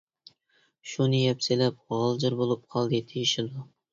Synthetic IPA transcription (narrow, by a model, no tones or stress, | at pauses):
ʃʊnɪjapselap̚ʁɒlˠd͡ʒɪɾbolˠɪp̚qʰɒlˠd̪ɪt̪ʰeɪʃɪld̪ʊ